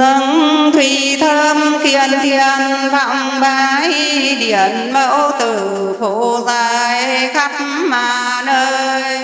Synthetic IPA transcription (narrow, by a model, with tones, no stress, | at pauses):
zə˧ŋt̪ʰwi˧˩ | t̪ʰə˧mki˧ənt̪ʰi˧ənva̰˧˨wŋ͡mɓaː˧˦j | ɗi˧˩˨ənmə˧˥wt̪ɨ˨˩ | fo˧˩zaː˧˩jxa˦˥jk̚ | maː˨˩ | nəː˧j